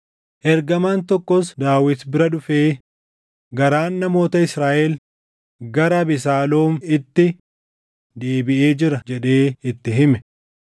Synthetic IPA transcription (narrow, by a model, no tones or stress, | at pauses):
ʔɛɾɡɐmaːnt̪ɔkːɔsd̪aːwɪt̪bɪɾɐᶑʊfeː | ɡɐɾaːnːɐmo̞ːt̪ɐɪsɾaːʔɛl | ɡɐɾɐbɪs̬aːloːmɪt̪ːɪ | d̪eːbɪʔeːd͡ʒɪɾɐd͡ʒɛᶑeːɪt̪ːɪɦɪmɛ